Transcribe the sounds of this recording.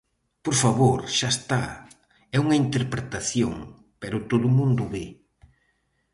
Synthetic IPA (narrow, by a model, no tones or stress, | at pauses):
poɾfaβoɾʃast̪a̰ | ɛuŋɐint̪eɾpɾet̪aθjoŋ | peɾʊt̪oðʊmũnd̪ʊβe